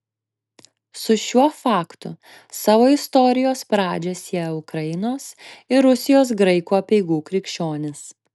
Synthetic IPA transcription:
sʊʃʲuɔfɑːkt̪ʊ̰ | sɑːʋoːɪst̪ɔɾʲɪjoːspɾɑːd͡ʒʲɛsʲiɛʊkɾɐjɪnoːsɪɾʊsʲɪjoːs̬ɡɾɐɪkuːɐpʲɛɪɡuːkɾʲɪkʲʃʲt͡ʃʲoːnʲɪs

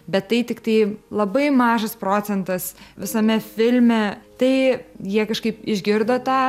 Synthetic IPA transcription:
bʲɛt̪t̪ːɐɪt̪ʲɪkt̪ɐɪlˠɐbɐɪmɑːʒɐspɾoːt͡s̪sʲɛnt̪ɐsʋʲɪsɐmʲɛfʲɪlʲmʲɛt̪ɐɪjiɛkɐʃkɐɪpɪʒʲɡʲɪɾd̪oːt̪ɑː

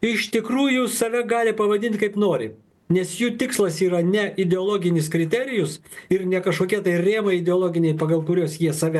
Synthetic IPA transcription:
ɪʃt̪ʲɪkɾuːjʊsɐʋʲɛɡɑːlʲɪpɐʋɐd̪ʲɪnʲt̪ʲkɐɪpnoːɾʲɪ̰ | nʲɛsjuːt̪ʲɪkslˠɐsiːɾɐnʲɛɪd̪ʲɛɔlˠoːɡʲɪnʲɪskɾʲɪt̪ʲɛɾʲɪjʊsɪɾnʲɛkɐʃkoːkʲiɛt̪ɐɪrʲeːmɐɪd̪ʲɛoːlˠoːɡʲɪnʲɛɪpɐɡɐlˠkʊɾʲoːsjiɛsɐʋʲɛ

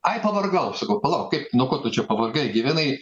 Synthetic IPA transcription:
ɐɪpɐʋɐrɡɐʊsɐkɐʊpɐlˠɐʊkkɐɪpnoːkoːt̪ʊt͡ʃʲɛpɐʋɐrɡɐɪɡʲɪʋʲænɐɪ

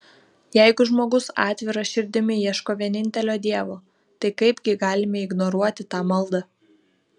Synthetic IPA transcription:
jɛɪɡʊʒmoːɡʊsɑːt̪ʲʋʲɪɾɐʃʲɪɾʲd̪ʲɪmʲɪiɛʃkoːʋʲiɛnʲɪnʲt̪ʲɛlʲoːd̪ʲiɛʋoː | t̪ɐɪkɐɪbʲɡʲɪɡɑːlʲɪmʲɛɪɡnɔɾuɔt̪ʲɪt̪ɑːmɐlˠd̪ɐ

